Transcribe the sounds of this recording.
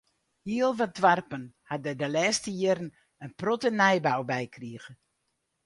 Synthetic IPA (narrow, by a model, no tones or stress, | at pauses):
hiəlˠʋadʋarpənhadɛdəlɛːstəjɪəɾən | ənprɔtənɛjbawbɛjkriəɣə